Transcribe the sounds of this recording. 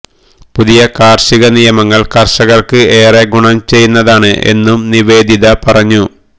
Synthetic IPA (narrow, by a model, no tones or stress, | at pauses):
puðijɐkaːrʂiɣɐnijɐmɐŋːɐɭkɐrʂɐɣɐrkɨe̞ːreɡuɳɐmt͡ɕe̞jːunːɐðaːɳɨʔe̞̰nːumniʋe̞ːd̪ʱiðɐpɐrɐɲːu